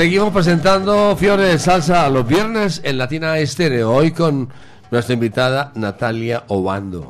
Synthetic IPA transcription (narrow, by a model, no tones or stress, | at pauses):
seɣimospɾesẽ̞nt̪and̪ofjoɾesalsaːlozβjeɾnesenlat̪inaest̪eɾeoojko̞nː | west̪ɾaĩmbit̪að̞anat̪aljaoβa̰nd̪o̰